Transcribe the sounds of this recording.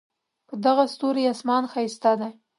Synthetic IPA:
pəd̪aɣast̪oɾejɑsmɑnxast̪ɑd̪a

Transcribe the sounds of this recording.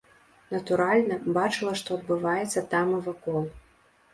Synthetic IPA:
nɐt̪uɾalʲnɐbat͡ʂɨlˠɐʂt̪ɔɐd̪̚bɨvajɛt̪sːɐt̪amɨvakɔlˠ

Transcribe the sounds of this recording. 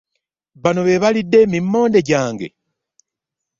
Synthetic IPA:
βano̞βe̞βalidːe̞mimːo̞ːnde̞ɟaːŋɡe̞̰

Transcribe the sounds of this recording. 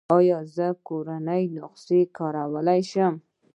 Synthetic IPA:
ɑjɔzəkoɾanəjnʊqsekʰɔɾawalajʃʊm

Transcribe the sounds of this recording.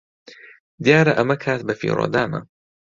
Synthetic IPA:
d̪ijaːɾɐʔɐmɐkʰaːt̪̚bɐfḭːɾo̰ːd̪aːnɐ̰

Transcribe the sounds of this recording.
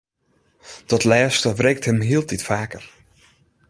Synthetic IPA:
d̥ɔtlɛːstəʋrɛjk̚thəmɦiəlˠtitfaːkər

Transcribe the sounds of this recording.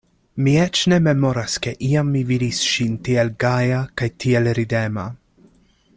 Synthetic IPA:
miɛt͡ʃnɛmɛmɔɾaskɛʔiamːivilisʃint̪iɛlɡaːjakajt̪iɛlɾid̪ɛma

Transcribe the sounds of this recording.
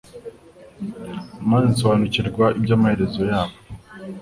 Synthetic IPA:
mazinso̞βaːnuciɾɡwaʔibɟaːmahe̞ɾe̞zo̞jaːβo

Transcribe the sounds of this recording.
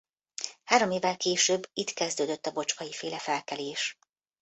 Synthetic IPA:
haːɾo̞meːvːɛlkeːʃøːbːit̪kɛzd̪øːd̪øt̪ːɒbo̞t͡ʃkɒjifeːlɛfɛlkɛleːʃ

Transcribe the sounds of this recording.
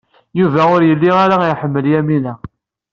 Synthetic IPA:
juvæʊɾjəlːiaɾaiħəmːəljæminæ

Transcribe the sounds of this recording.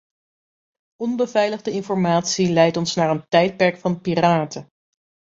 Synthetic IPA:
ɔnbəvɛjləχdəɪnfɔɹmaːtsilɛjtɔnsnaːɹəntɛjt̚pɛɹkfɑnpiːraːtə

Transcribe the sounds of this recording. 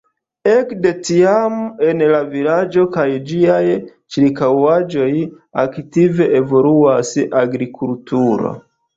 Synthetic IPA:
ekde̞tiame̞nlavilad͡ʒo̞kajd͡ʒiaj | t͡ʃɾikawad͡ʒo̞j | aktive̞ʔevo̞luasʔaɡɾikʰultuɾo̰

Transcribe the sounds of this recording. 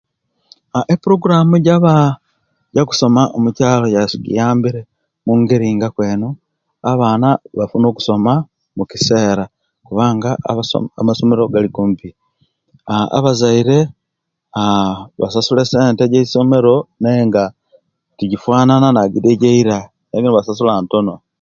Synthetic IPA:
aʔepuɾo̞ɡuɾamuɟaβa | ɟaku̥so̞maʔomucaːlo̞jasiɡḭjaːmbiɾe̞ | muŋɡeɾiːŋɡakwe̞ːno | aβaːnaβafuno̞ːku̥so̞ma | mukise̞ːɾa | kuβaːŋɡa̰a̰maso̞me̞ɾo̞ɡalikumpi | a̰βazaiɾe̞ | βa̰sasule̞se̞ːnteɟeiso̞me̞ɾo̞neŋɡa | tiɟifwaːnananaɡideɟeiɾa | neɡinoβasasulaːnto̞no̞

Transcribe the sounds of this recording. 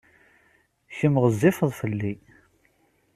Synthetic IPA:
çəmʁəzːɪfəðˤfəlːi

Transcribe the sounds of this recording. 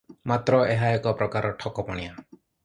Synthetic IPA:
mat̪ɾɔeɦaekɔpɾɔkaɾɔʈʰɔkɔpɔɽ̃ia

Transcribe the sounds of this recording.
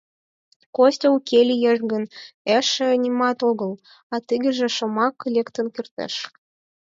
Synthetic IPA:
kosʲtʲeukʲʰelʲijeʒɡə̆neʃĕnʲimɑt̪oɣə̆l | ɑt̪iɡɘ̆ʒĕʃŏmɑklʲekt̪ə̆nkert̪ḛʃ

